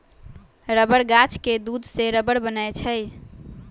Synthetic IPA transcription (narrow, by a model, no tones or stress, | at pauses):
ɾəbəɽɡat͡ʃked̪ud̪ʱseɾəbəɽbənat͡ʃʰəj